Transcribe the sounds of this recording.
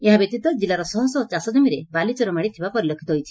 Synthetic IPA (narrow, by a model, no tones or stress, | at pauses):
eɦabjet̪it̪ad͡ʑilaɾɔsɔɦɔsɔt͡ʃasɔd͡ʑɔmiɾebalit͡ɕɔɾɔmaɽit̪ʰibapɔɾilɔkʰit̪ɔɦojt͡ʃʰi̥